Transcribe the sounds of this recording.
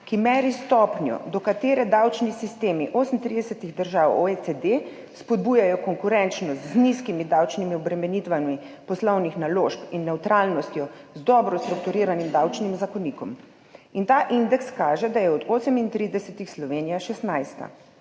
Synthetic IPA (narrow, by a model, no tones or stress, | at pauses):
kimɛɾist̪ɔpnjɔ̰d̪ɔkat̪eːɾɛd̪awt͡ʃnisist̪eːmiʔoːsən̩t̪ɾid̪ɛsɛt̪iɣd̪əɾʒawoet͡s̪ed̪e | spɔd̪̚buːjajɔkɔŋkuɾɛnt͡ʃnɔst̪zniskimid̪awt͡ʃnimiɔbɾɛmɛnit̪ʋanmi | pɔslɔwnixnaloʃpinːɛwt̪ɾalnɔst̪jɔzd̪ɔbɾɔst̪ɾukt̪uɾiːɾanimd̪awt͡ʃnimzakɔnikɔm | int̪aʔind̪ɛkskaːʒɛd̪ajɛɔd̪osəmint̪ɾiːd̪ɛsɛt̪ixslɔʋeːnijaʃɛst̪najst̪a̰